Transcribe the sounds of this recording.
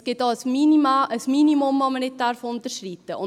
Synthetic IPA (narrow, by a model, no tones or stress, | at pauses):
ɡ̥ɪt̚dɑːəsminiməsminimʊmːɑmənɪt̚dæɾfʊnt̪əɾʃritːəʊ